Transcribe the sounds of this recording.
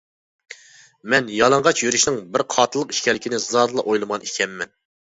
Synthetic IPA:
mɛnjɑlˠɑɴʁɑt͡ʃjyɾyʃnɪŋbɪɾqʰɑːt̪ʰɨlˠəqi̥ʃkʲɛlɪkʲʰinɪzɑɾlˠɑʔojlˠɨmʁɑnikʲʰɛmːɛn

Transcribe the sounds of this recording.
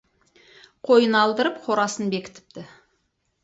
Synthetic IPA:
qʰo̞jənɑlˠd̪əɾəp̚qʰo̞ɾɑsənbe̞kʲɪ̥t̪ɪ̥p̚t̪ɪ

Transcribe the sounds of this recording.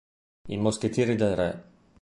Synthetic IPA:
imosk̟et̪jeːɾid̪elrɛ

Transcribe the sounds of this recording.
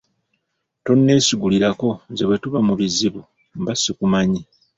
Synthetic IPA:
to̞nːe̞ːsiɡuliɾako̞zeβwe̞tuβamuβiziβu | mbasikumaɲi

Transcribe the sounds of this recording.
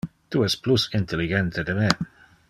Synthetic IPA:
t̪uɛsplusint̪eliɡɛnt̪ʰed̪eme

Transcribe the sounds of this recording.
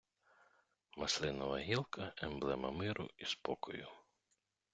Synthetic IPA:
mɐslˠɪnɐʋɐɦʲilˠkʰɐɛmblˠɛmɐmɪɾʔʊ̰ispɔkʰɔjʊ

